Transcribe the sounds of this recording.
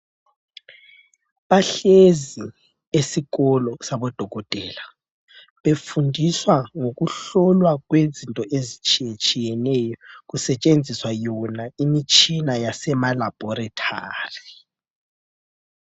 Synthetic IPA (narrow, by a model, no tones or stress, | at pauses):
βaɬezi | esiɣɔlɔsaβɔd̥ʱɔɣɔtʼɛːla | βefundʱiswaŋoɣuɬɔlwaɣ̬wezintʼɔʔezit͡ʃʼit͡ʃʼijɛnɛjɔɣusɛt͡ʃʼend͡zʱiswajɔnaimit͡ʃʼinajasɛmalab̥ʱɔɾatʰaːri